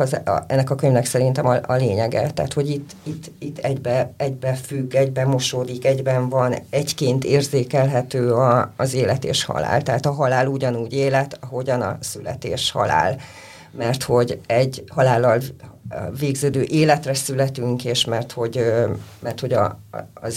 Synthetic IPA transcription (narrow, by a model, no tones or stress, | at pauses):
z̰ɛnːɛkɒkøɲvnɛksɛɾint̪ɛmɒʔɒleːɲɛɡɛ̰t̪a̰ːt̪ho̞ɟit̪ːit̪ʰːit̪ːɛɟbɛɛɟbɛfyɡːɛɟbɛmo̞ʃoːd̪ikɛɟbɛɱvɒnɛckeːnt̪eːrzeːkɛlɦɛt̪øːɒːzeːlɛt̪ḛːʃhɒ̰la̰ːlt̪ɛɦaːt̪ɒɦɒlaːluɟɒnuːɟeːlɛt̪ɒɦo̞ɟɒnɒ̰sylɛ̰t̪ḛːʃhɒ̰la̰ːl | mɛrt̪ho̞ɟɛɟːhɒlaːlːɒl | veːɡzøːd̪øːʔeːlɛt̪rɛsylɛt̪yŋkeːʃmɛrt̪ho̞ɟmɛrt̪ho̞ɟɒ̰z